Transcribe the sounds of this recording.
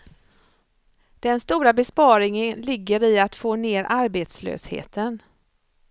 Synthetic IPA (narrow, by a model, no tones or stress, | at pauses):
d̪̥ɛnst̪uːɾabɛspɑːɾɪŋənlɪɡːəɾɪat̪foːneːɾʔaɾbeːt̪slø̰ːshḛːt̪ʰən